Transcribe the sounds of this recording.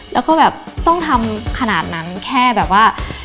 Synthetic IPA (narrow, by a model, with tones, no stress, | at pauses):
lɛː˦˥wkɔː˥˩bɛː˨˩p̚t̪ɔ˥˩ŋt̪ʰa˧mkʰa˧naː˨˩t̪̚na˦˥nkʰɛː˥˩bɛː˨˩p̚waː˥˩